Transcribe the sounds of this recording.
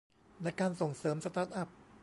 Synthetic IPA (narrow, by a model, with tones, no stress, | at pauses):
na˧jkaː˧nso˨˩ŋsɤː˩˦msa˧t̪aː˧˥˩nʔa˨˩p̚